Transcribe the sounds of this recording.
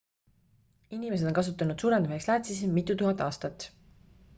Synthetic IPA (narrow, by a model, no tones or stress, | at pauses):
inʲime̞s̬ed̪o̞nkɑs̬ut̪ːˑɑnud̪̥suːɾed̪ɑmihekslæːt̪sismit̪ːˑut̪uɦɑnt̪ːˑɑːst̪ɑt̪ːˑ